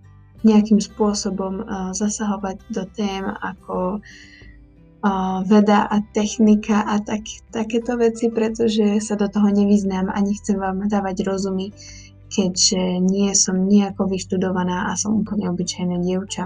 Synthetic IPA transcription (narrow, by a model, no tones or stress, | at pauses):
ɲɛakimspʊɔsɔbɔmzasaɦɔʋaɟd̪ɔt̪ɛːma̰kʰɔ | ʋɛd̪aʔat̪ɛxnikaʔat̪akt̪akɛːt̪ɔʋɛt͡sipɾɛt̪ɔʒɛsad̪ɔt̪ɔɦɔɲɛʋiznaːma̰ɲɛxt͡sɛmʋaːmd̪aːʋaɟɾɔzumi | kʰɛɟʒ̥ɛɲɪɛsɔmɲiakɔʋiʃt̪ud̪ɔʋanaːʔasɔmuːpl̩ɲɛɔbit͡ʃajnɛːɟɪɛʊt͡ʃa